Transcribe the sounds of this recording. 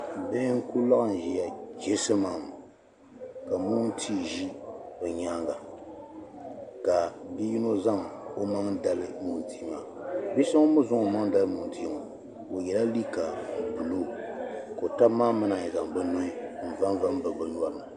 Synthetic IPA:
be˦ŋ̩˦ku˦la˦ʔn̩˨ʒi˨ja˨d͡ʒɛ˦sɨ˦maː˨m˨ | ka˨mu˦n̩˦tʰi˦ʒi˦bɛ˨ɲaː˦ŋɡa˨ | ka˨di˦ji˦no˦za˦ŋo˦ma˦ŋ˦da˨lɨ˦mu˨n˨tʰiː˨˦maː˨bi˦sa˦ŋ˦mʊ˦zʊ˦ŋo˨ma˦ŋ˦da˦lɨ˦mu˨n̩˨ti˨˦ma˨ | o˨jɛ˨la˦li˦ka˨bu˨lo˦˨ko˨ta˦maː˦mɨ˦na˨ɛ˨za˨ŋ˨bɛ˦no˦ɪ˦m̩˨va˦n˦va˦m˦bɨ˨bɨ˨n˦a˦ma˨

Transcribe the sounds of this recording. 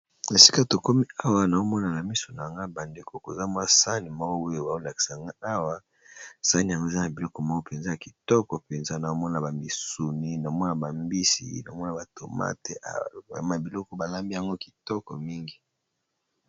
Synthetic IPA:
e˨si˦ka˦to˨ko˦mi˦a˦wa˦na˨o˦mɔ˦na˨na˨mi˦so˨na˨a˨ŋɡa˦ba˨nde˦ko˦ko˨za˦mwa˦sa˦ni˨mɔ˦ɡo˦we˦e˨ba˨o˦la˨ki̥˨sa˨a˨ŋɡa˦a˦wa˦ | sa˦ni˨a˨ŋɡo˦˨za˦na˨bi˨lɔ˦kɔ˦mɔ˦ɡo˦pe˨nza˦ja˨ki˨tɔ˦kɔ˨pe˨nza˦na˨o˦mɔ˦na˨ba˨mbi˨su˨ni˦na˨˦mɔ˦na˨ba˨mbi˦sḭ˦na˨o˦ɔ˦na˨ba˨to˨ma̰˦tḛ˨a̰˨˦ma˨bi˨lɔ˦kɔ˦ba˨la˦mbi˦ja˨ŋɡo˦ki̥˨tɔ˦kɔ˨mi˦ŋɡi˨

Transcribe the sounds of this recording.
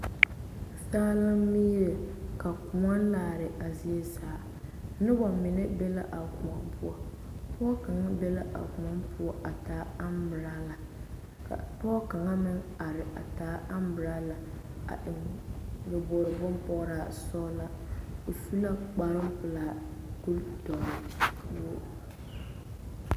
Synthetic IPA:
saː˦la˦mi˦jɛ˨ka˨kʊ˨ŋa˦n˦laː˨ɾɪ˨ʔa˨zi˦e˦saː˨˦ | nɪ˦ba˨mɪ˨nɪ˦bɛ˦la˦ʔa˨kʊ˨a˨mpʰʊ˦a˨ | pɔː˦ka˨ŋa˦bɛ˦la˦ʔa̰˨kʊ˨ŋa˦mpʰʊ˦ɔ˦ʔa˨taː˨˦a˦mbɪ˨ɾaː˦la˨ | ka̰˨pɔː˦ka˨ŋa˦mɪ˦ŋa˨ɾɪ˨a̰˨taː˨˦a˦mbɪ˨ɾa˦la˨ | a̰˨ʔɪ˨ŋbʊ˨bɔ˨ɾɪ˨bʊ˦mpɔ˦ɣɾaː˨sɔ˦la˦ | o˨fu˦la˦k͡pa˨ɾɪ˦m˦pʊ˨laː˨ku˦ltɔ˨nɪ˨bo˦

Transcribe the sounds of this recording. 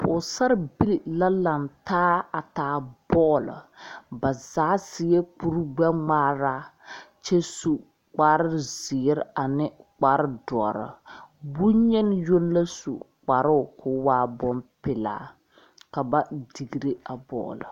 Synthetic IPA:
pʰʊː˨sa˦ɾbi˦li˨la˦la˨ntaː˦a˨taː˨˦bɔː˦lɨ̰˨ba˨zaː˨˦sɪ˨˦ɛ˦k͡pu˦ɾɡ͡ba˦ŋ͡maː˦ɾaː˦t͡ʃɛ˦su˨ | k͡paː˨˦ɾɪ˦zɪ˨˦ɾa˨nɪ˦k͡paː˨˦ɾɪ˦dɔ̰˨ɾɪ̰˨bu˦ɲɛ˦n˦jo˦n˦la˦sṵ˨ | k͡pa˨ɾʊ˦˨kʰʊ˦waː˦bɔ˦mpɪ˨la̰ː˨˦ | ka˨ba˦di˨ɡi˨ɾe˦a˨bɔ̰ː˦˨lɪ̰˨

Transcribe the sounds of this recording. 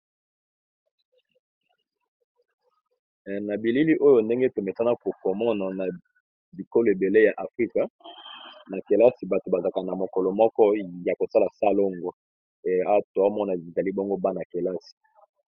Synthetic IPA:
na˨bi˨li˦li˦ʔo˦jo˨nde˦ŋɡe˦to˨me˨ta˦na˦ko˨kɔ˨mɔ˦na˨na˨ | bi˨ko˦lo˨e˨be˨le˦ja˨ʔa˨fʁi˦ka˨ | na˨ke˨la˦si˨ba˨to˨ba˨za˨ka˨na˨mo˨kɔ˨lɔ˨mɔ˦kɔ˦ja˨ko˨sa˦la˨sa˦lo˦ŋɡo˦ | e˨a˦to˨a˦mɔ˦na˨i˨za˨li˦bo˦ŋɡo˦ba˦na˨ke˨la˦si̥˨

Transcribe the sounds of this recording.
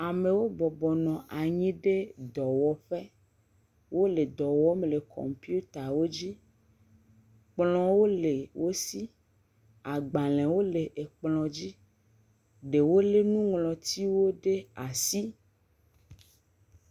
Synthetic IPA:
a˨me˨wo˦bɔ˨bɔ˨nɔ̃˨ʔa˨ɲĩ˦ɖe˦d̪ɔ˨wɔ˨ɸe˦ | wʔo˦le˨d̪ɔ˨wɔ˦mle˨kʰɔ̰˨mpi˦u˦t̪a˨wo˦d͡ʑi˦ | k͡plɔ̃˨wo˦le˨wʔo˦si˦ | a˨ɡ͡ba˨lɛ̃˨wo˦le˨ʔe˨k͡plɔ̃˨d͡ʑi˦ | ɖe˨wo˦le˦nũ˦ŋlɔ̃˨t̪i˦wo˦ɖe˦a˨si˦

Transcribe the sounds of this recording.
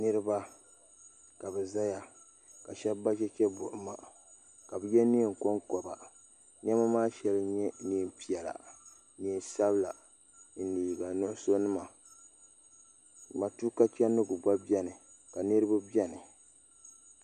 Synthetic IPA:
nɨ˦ɾɨ˦ba˦ | ka˨bɛ˨za˦ja˨ | ka˨ʃɛ˦bːa˦d͡ʒɛ˦t͡ʃɛ˦bʊ˨ʔʊ˨ma˦ | ka˨bɨ˨jɛ˦ni˦˨ŋ˨ko˦ŋkɔ˨ba˨ | ɲ˦ɛ˦ma˦maː˦ʃɛ˦lɨ˦ɲɛ˦ni˨˦˨mpi˨ɛ˨la̰˨ | ni˨nsa˦bla˨ | n̩˦niː˨ɡa˨nʊ˦ʔʊ˦so˦nɨ˦ma˨ | ma˨tu˦ka˦t͡ʃɛ˦nːɨ˦ɡʊ˨ɡ͡ba˦bi˦ɛ˦nɨ˨ | ka˨nɨ˦ɾɨ˦ba˦bɛ˦nɨ˨

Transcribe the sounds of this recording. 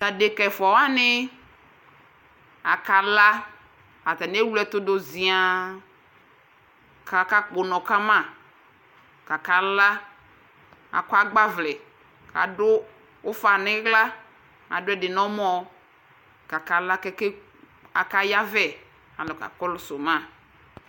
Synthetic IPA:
ta˨de˨kɛ˨fɔ˨wa˦nɪ˦ | a˨ka˨la˦ | a˨t̪a˨ne˦wlɛ˦t̪ʊ˦dʊ˨zi˨a˨ | ka˨ka˦k͡pʊ˨nɔ̃˨ka˦mã˦˨ | ka˨ka˨la˦ | a̰˨kʷa˦ɡ͡ba˦vlɛ˨ | ka̰˨dʊ˦ | wo˦fa˨nɪ̃˦ɡla˦ | a̰˨dʊ˦ɛ˨dɪ˨nɔ̃˦mɔ̃˨ | ka˨ka˨la˦kɛ˦ke˦ | a˨ka˦ja˦vɛ˨ | a̰˨lɔ˨ka̰˨kɔ˦lʊ˨so˨mã˦˨

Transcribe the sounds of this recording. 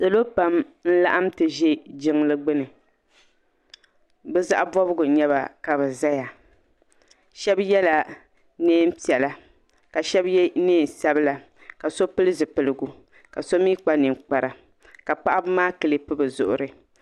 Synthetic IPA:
sa˨lo˦pa˦mn̩˦la̰˦ʔa˦mtɨ˨ʒɛ˦d͡ʒɪ˦ŋlɨ˦ɡ͡bɨ˦nɨ˨ | bɛ˦za̰˦ʔa˦bɔ˦bɨ˦ɡʊ˨ɲɛ˦ba̰˨ka˨bɛ˨za˦ja˨ | ʃɛ˦bjɛ˦la˨ | neː˦m̩˦pi˨ɛ˨la˦ | ka˨ʃɛ˦bjɛ˦neː˦˨sa˦bɨ˦la˨ | ka˨so˦pɨ˦lɨ˦zɨ˨pɨ˨lɨ˨ɡu˨ | ka˨so˦miː˦k͡pa˦nɨ˨ŋk͡pa˨ɾa˨ | ka˨pa˦ʔa˦bmaː˦kɨ˨lɨ˦pɨ˦bɨ˨zʊ̰˨ʔʊ̰˨ɾɨ˨

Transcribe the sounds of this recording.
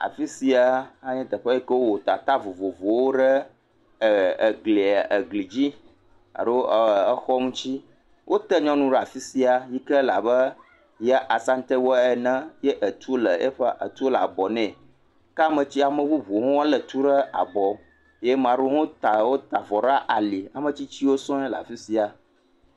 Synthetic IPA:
a̰˨fi˦si˨a˨a˦ɲɛ̃˦t̪ə˨ɸə˦jɛ˦kə˦wo˦wo˨t̪a˨t̪a˦vo˨vo˨vo˨wo˦ɖə˦˨ | ɡli˨a˨ʔə˨ɡli˨d͡ʑi˦ | a̰˨ɖo˦˨ə˦xɔ˦mũ˦t͡ɕi˦ | wʔo˦t̪ə˦ɲɔ̃˦nũ˦ɖɛ˦˨a˨fi˦si˨a˨ji˦kə˦la˨bə˦ | ja˦ʔa˨sa˦n̩˦t̪ɛ˦wo˦ɛ˨nə̃˦jɛ˦ʔə˨t̪u˦lə˨ɛ˦ɸə˦ʔa̰˨t̪u˦o˦la̰˨bɔ˨nɛ̃˨ | ka˦mə̃˨t͡ɕi˦a˨mə̃˦bu˦bu˨ŋõ˦wa˦lə˨t̪u˦ɖə˦a̰˨bɔ˨ | je˦mã˨ɖo˦ŋõ˦t̪a˨wo˦t̪a˨vɔ˨ɖa˦ʔa˨li˨a˨mə̃˨t͡ɕi˦t͡ɕi˦wo˦sɔ̃˦ɛ˦la̰˨fi˦si˦a˨

